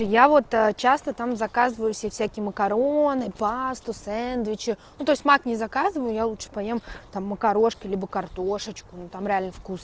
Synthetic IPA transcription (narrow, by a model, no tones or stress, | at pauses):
javo̞t̪ət͡ɕast̪ət̪amzɐkazɨvəjʊfsʲefsʲækʲɪjəməkɐɾonɨpast̪ʊsɛnd̪vʲɪt͡ɕɪnut̪o̞ɪsʲt̪ʲmaknʲɪzɐkazɨvəjʊjalˠut̪ʂɨ̥pɐjemt̪amːəkɐɾo̞ʂkʲɪlʲibəkɐrt̪o̞ʂət͡ɕkʊnut̪amɾʲɪalʲnəfkus